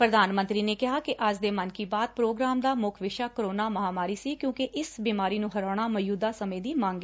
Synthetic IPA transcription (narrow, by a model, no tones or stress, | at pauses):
pɾəd̪aːnmə̃nt̪ɾiːneːkɪɦaːkɪʔəd͡ʒd̪eːmənkiːbaːd̪̚pɾoːɡɾaːmd̪aːmʊkʰʋɪʃaːkəɾoːnaːməɦaːmaːɾiːsiːkjõːkɪʔɪsbiːmaːɾiːnũːɦəɾaːɽ̃aːməjuːd̪aːsəmẽːd̪iːmãːŋɡeː